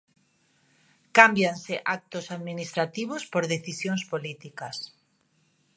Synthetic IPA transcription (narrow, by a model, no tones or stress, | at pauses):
kambjanseʔak̚t̪osaðminist̪ɾat̪iβospoɾðeθisjõŋspolit̪ikas